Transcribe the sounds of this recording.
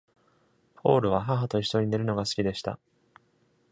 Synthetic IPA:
pʰo̞̰ːɾɯ̟βaɦaɦat̪o̞isoɲ̟ine̞ɾɯ̟no̞ɡasɨ̥kʲid̪e̞ɕi̥t̪a̰

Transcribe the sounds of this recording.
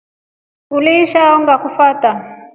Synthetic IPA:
uliʃaɔŋɡakufaːta

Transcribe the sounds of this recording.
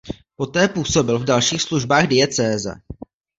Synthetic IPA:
po̞t̪ɛːpuːso̞bɪlvdalʃiːxsluʒbaːɣdɪɛt͡sɛːzɛ̰

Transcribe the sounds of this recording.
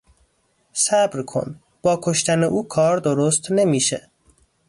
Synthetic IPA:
sæbɾkʰo̰n | b̥ɒːkʰo̞ʃt̪æneʔuːkʰɒːɾd̪oɾost̪ne̞miːʃḛ

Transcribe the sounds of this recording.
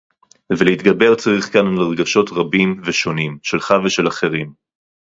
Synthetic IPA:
veleit̪ɡabe̞ʁt͡saʁiχkanalaʁɡaʃo̞tʁabimveʃo̞nimʃe̞lχaveʃe̞laχe̞ʁim

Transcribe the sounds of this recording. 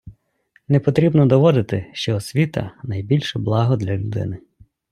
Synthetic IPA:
nɛpɔt̪ɾʲibnɔd̪ɔʋɔd̪ɪt̪ɪʃt͡ʃɔːsʲʋʲit̪ɐ̰nɐjbʲilʲʃɛblˠɑɦɔd̪lʲɐlʲʊd̪ɪ̰nɪ

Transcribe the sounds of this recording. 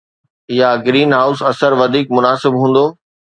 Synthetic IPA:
ɪjɦaɡɾiːnɦaːʊsɐsəɾʋɐd̪ʱiːk̚mʊnaːsɪbɦũːn̆d̪oː

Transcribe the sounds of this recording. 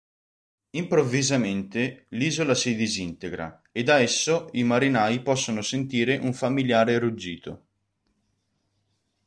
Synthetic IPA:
impɾovːizament̪eliːzolasid̪izint̪eɡɾa̰ | ed̪aɛsːoimaɾinaːjipɔsːonosent̪iːɾeʔuɱfamiljaːɾerud͡ʒːiːt̪o̰

